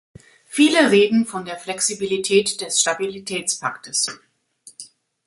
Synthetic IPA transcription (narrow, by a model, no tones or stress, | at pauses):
fiːləʁeːdn̩fɔndeːɐflɛksibilitʰɛːtd̥ɛsʃtabilitʰɛːt͡spʰa̰ktʰəs